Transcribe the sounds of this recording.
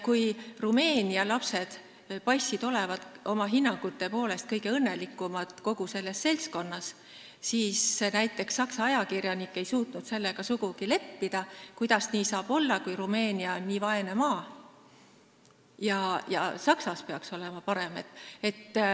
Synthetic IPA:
kujrume̞ːniɑlɑpse̞d̪̥ | pɑjsːid̪o̞le̞vɑd̪̥ʔo̞mɑɦinːɑŋɡ̥ut̪ːˑe̞po̞ːle̞st̪̚kɤ̞jɡe̞ɤnːe̞likːˑumɑd̪̥ˑko̞ɡ̥use̞lːe̞sse̞lsko̞nːɑs | siːsenæjt̪ːˑe̞ksːɑksɑɑjɑkirjɑnikːˑe̞jsuːt̪nud̪se̞lːe̞ɡ̥ɑsuɡ̥ukile̞pːid̪̥ɑkujd̪̥ɑsniːsɑːb̥o̞lːɑkujrume̞ːnʲiɑonːiːvɑe̞nemɑː | jɑjɑ̰sɑksɑspe̞ɑkso̞le̞mɑpɑɾe̞met̪ːe̞t̪ː

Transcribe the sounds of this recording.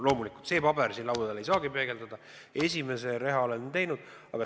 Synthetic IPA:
lo̞ːmulikˑult̪se̞ːpɑbe̞rsiːnlɑwd̪ɑd̪ele̞jsɑːɡipe̞ːɡe̞ld̪ɑd̪̥ɑ | e̞s̬ʲime̞se̞ɾe̞ɦɑo̞lent̪e̞jnud̪̥ | ɑɡ̥ɑ

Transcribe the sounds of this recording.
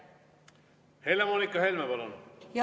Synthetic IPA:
helemoːnikˑːɑɦelmepɑlonj

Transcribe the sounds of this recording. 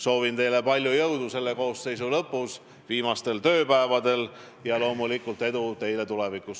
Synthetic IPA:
so̞ːvint̪e̞jle̞pɑlʲjujɤwd̪̥use̞lːe̞ko̞ːsːe̞jsulɤpːˑus | viːmɑst̪e̞lt̪ø̞ːpæevɑd̪e̞l | jɑlo̞ːmulikːˑult̪ːˑe̞d̪ut̪e̞jle̞t̪ulɛ̞vikˑus

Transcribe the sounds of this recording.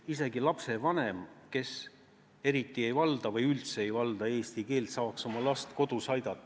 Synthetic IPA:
ise̞ɡilɑpse̞vɑne̞mke̞s | e̞ɾit̪ːˑie̞jvɑld̪̥ɑvɤjylt̪seejvɑld̪ɑe̞ːst̪ike̞ːlt̪sɑːkso̞mɑlɑst̪ko̞d̪̥usɑjd̪̥ɑt̪ːˑɑ

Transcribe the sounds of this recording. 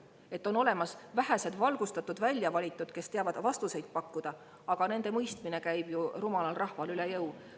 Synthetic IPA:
e̞t̪ːˑo̞no̞le̞mɑsvæɦæse̞d̪̥vɑlɡ̥ust̪ɑt̪ːud̪vælʲjɑvɑlʲit̪ːˑud̪̥ke̞st̪eɑvɑd̪̥vɑst̪use̞jd̪̚pɑkːud̪̥ɑ | ɑɡ̥ɑne̞nd̪̥e̞mɤjst̪mine̞kæjb̥jurumɑlɑlrɑhvɑlylejɤw

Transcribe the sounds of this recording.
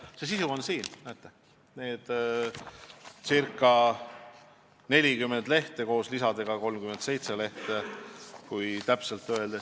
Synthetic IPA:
ses̬isuonsiːnnæːt̪ːˑe | ne̞ːd̪̥ | sirkːˑɑ | ne̞lʲikymːe̞nd̪̥le̞ht̪e̞ko̞ːslisɑd̪e̞ɡ̥ɑko̞lmkyme̞nt̪se̞jt̪se̞le̞ht̪ekujt̪æpselt̪ːˑø̞eld̪e

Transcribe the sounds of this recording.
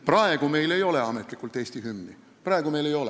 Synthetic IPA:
prɑe̞ɡ̥ume̞jle̞jo̞le̞ɑmet̪ˑlikːˑult̪e̞st̪iɦymːi | prɑe̞ɡ̥ume̞jlejo̞le

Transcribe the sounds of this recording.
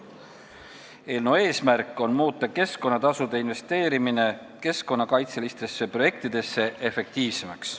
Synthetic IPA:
e̞ːlnoe̞ːsmæɾkːˑo̞nmuːt̪ːˑɑke̞sko̞nːɑt̪ɑsud̪̥e̞inve̞st̪e̞ːɾimine̞ | ke̞sko̞nːɑkɑjt̪selist̪e̞sːepro̞je̞k̚t̪id̪̥e̞sːe̞ʔefek̚t̪iːvsemɑks

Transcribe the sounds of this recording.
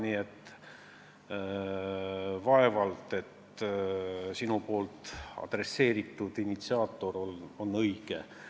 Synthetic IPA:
niet̪ː | vɑe̞vɑlt̪e̞t̪ | sinupo̞ːlt̪ɑ̰d̪̥re̞se̞ːɾit̪ːˑud̪̥init̪siɑːt̪ːˑo̞ɾo̞lo̞nːɤjɡ̥e

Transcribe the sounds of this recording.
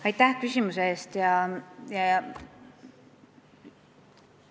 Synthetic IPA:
ɑjt̪ːˑæhkysʲimuseeːst̪jɑjɑ

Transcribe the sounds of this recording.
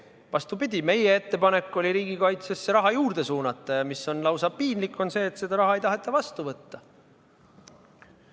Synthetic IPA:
vɑst̪upid̪̥ʲime̞jee̞t̪ːe̞pɑne̞kːˑo̞lʲiɾiːɡikɑjt̪se̞sːeɾɑɦɑjuːɾd̪̥e̞suːnɑt̪ˑːɑjɑmisːo̞nlɑwsɑpiːnlikːˑo̞nse̞ːet̪sed̪ɑɾɑɦɑe̞jt̪ɑɦe̞t̪ˑːɑvɑst̪uvɤt̪ːɑ

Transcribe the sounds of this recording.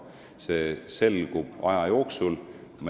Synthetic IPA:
seːse̞lɡ̥ub̥ɑ̰jɑjo̞ːksulm

